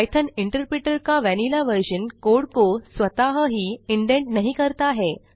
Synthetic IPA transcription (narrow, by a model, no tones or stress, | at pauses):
ajt̪ʰəniɳʈəɾpɾiʈəɾkaʋænilaʋəɾɕənkoɽkosʋət̪aɦəɦiːiɳɖẽɳʈnəɦikəɾt̪aːɦe